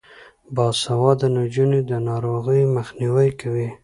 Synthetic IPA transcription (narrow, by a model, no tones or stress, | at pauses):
bɑsawɑd̪ənad͡ʒuned̪ənɑɾoɣəjməxniwəjkawi